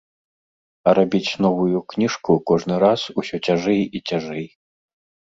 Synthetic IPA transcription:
ɐɾabʲit͡sʲn̪ɔvujuknʲiʂkukɔʐnɨɾasusʲɔt͡sʲaʐɛjit͡sʲaʐɛj

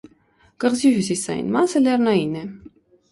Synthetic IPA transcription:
kəʁziɦysisɑ̰jḭnmɑsəlɛrnɑjinɛ

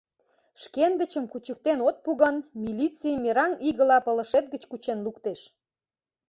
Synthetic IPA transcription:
ʃkenɡə̆t͡ɕəmkut͡ɕək̚t̪enot̪̚puɣənmilʲit͡simeɾɑniɣə̆lɑpə̆lə̆ʃet̪̚ɡət͡ɕkut͡ɕenlukt̪eʃ

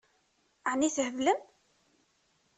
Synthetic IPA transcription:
ʕniθhəvləm

